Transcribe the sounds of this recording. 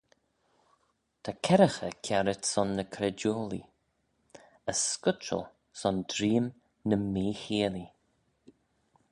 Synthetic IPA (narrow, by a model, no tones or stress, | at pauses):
t̪ʰakʰɛɾəxəkʰaɾɪtsɔnːəkʰɾɛdoːlḭ | əskʊt͡ʃə̰lˠ | sɔndɾiːm | nəmiːhiːli